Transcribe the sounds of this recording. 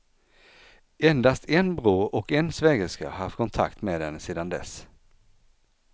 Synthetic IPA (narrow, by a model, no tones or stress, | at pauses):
ɛnd̪ast̪ʰɛnbɾuːɾɔkɛnsvɛːɡəska̰haɾft̪kʰɔnt̪ʰa̰kt̪meːd̪ɛnːəseːd̪and̪ɛ̰s